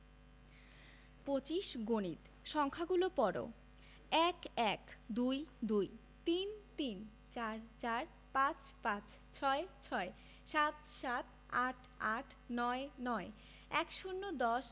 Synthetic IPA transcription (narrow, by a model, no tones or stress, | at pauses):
pot͡ɕiʃɡonit̪ | ʃɔŋkʰaɡulopɔɾo̰ | ɛkɛkd̪ujd̪uj | t̪int̪in | t͡ɕaɾt͡ɕaɾ | pãt͡ɕpãt͡ɕ | t͡ɕʰɔet͡ɕʰɔe | ʃat̪ʃat̪̚ | aʈʰaʈʰnɔenɔe | ɛkʃunːod̪ɔʃ